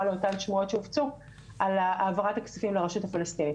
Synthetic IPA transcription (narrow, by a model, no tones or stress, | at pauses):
aleotanʃmuo̞tʃeuft͡su | ʔalaaːvaʁatakt͡safimleʁeʃuthafalast̪ini